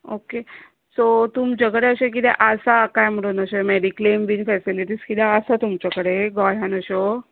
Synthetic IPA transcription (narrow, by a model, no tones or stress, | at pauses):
oke | sot̪umt͡ɕakəɽeəɕek̬it̪ɛʔəsakajm̤əɽunəɕemeɖiklemʋinfɛsiliʈiːskit̪ɛəsat̪umt͡ɕakəɽeɡɔjãnəɕo